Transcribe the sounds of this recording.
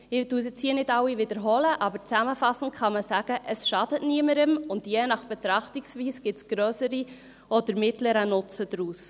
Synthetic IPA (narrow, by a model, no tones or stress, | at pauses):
ɪtusət͡siːənɪtɑwivɪdəɾɦɔləʔɑbəɾt͡sæməfɑsn̩tχɑməsæɡ̥əʔəsʃɑd̥ətniəməɾəmʊndjɛnɑχb̥ɛt̪ɾɑχtiksviːsɡ̥ɪtsɡ̥ɾœːsəɾi | ɔd̪əɾmɪtləɾənʊt͡səd̪ɾuːs